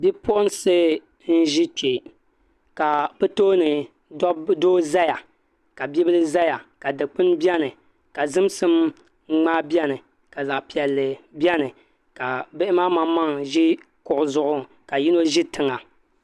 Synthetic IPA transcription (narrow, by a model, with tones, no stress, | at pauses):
bi˦pɔ˦n˦sɨ˦ | n̩˦ʒi˦t͡ʃe˨ | ka˨bɨ˦toː˦nɨ˨ | dɔ˦doː˦za˦ja˨ | ka˨bi˦bɨ˦lɨ˦za˦ja˨ka˨dɨ˨k͡pɨ˦nbɛ˦nɨ˨ | ka˨zɨ˦msɨ˦m˦ | ŋ͡maː˦bjɛ˦nɨ˨ | ka˨za˨ʔpi˨ɛ˨lːɨ˨bjɛ˦nɨ˨ | ka˨bɨ˦ʔɪ˦maː˦ma˦ma˦ŋʒi˦ | kʊ˨ʔʊ˨zʊ˦ʔʊ˦ | ka˨ji˦no˦ʒi˦tɨ˨ŋa˨